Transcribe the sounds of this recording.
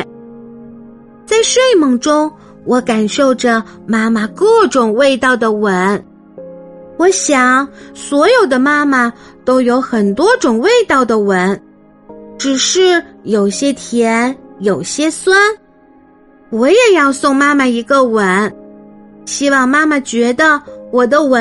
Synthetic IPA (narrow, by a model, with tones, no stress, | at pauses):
t͡sa˥˧ɪʂwe˥˩ɪmɤ˨˩ŋʈ͡ʂʊ˥ŋ | wɔ˧˥ka˨˩nʂo˥˩ʊʈ͡ʂə˩ma˥ma˨kɤ˥˩ʈ͡ʂʊ˨˩ŋwe˥˧ɪt̪ɑ˥˩ʊd̪ə˩wə˧˥n | wɔ˧˥ɕjɑ˨˩˦ŋswɔ˧˥jo˨˩ʊd̪ə˦ma˥ma˨ | t̪o˥ʊjo˧˥ʊxə˨˩nt̪wɔ˥ʈ͡ʂʊ˨˩ŋwe˥˧ɪt̪ɑ˥˩ʊd̪ə˩wə˧˥n | ʈ͡ʂɻ̩˨˩ʂɻ̩˥˩jo˨˩ʊɕjɛ˥t̪ʰjɛ˧˥njo˨˩ʊɕjɛ˥swa˥n | wɔ˧˥jɛ˨˩jɑ˥˧ʊsʊ˥˧ŋma˥ma˨i˧˥ɡə˧wə˧˥n | ɕi˥wɑ˥˩ŋma˥ma˨t͡ɕɥɛ˧˥d̪ə˧wɔ˨˩d̪ə˦wə˧˥